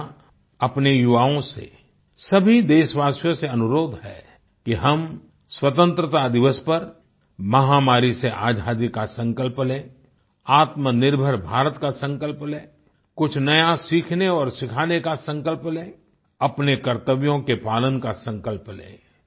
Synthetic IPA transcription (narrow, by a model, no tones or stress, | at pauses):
ɐpnejʊʋaːõsḛ | sɐbʱid̪eːʃʋaːsjõseɐnʊɾoːd̪ʱɦɛ̰ː | kiɦɐm | swət̪ə̃nt̪ɾət̪ad̪ɪʋəspɐɾ | mɐɦamaːɾiseʔaːd͡ʒʱaːd̪ikasə̃ŋkəlplẽː | aːt̪mənɪɾbʱəɾbʱaːɾət̪kasə̃ŋkəlplẽː | kʊt͡ʃʰnɐjasiːkʰneɔːɾsɪkʰaːnekasə̃ŋkəlplẽː | ɐpnekɐɾt̪əʋjõkepaːlənkasə̃ŋkəlplḛ̃ː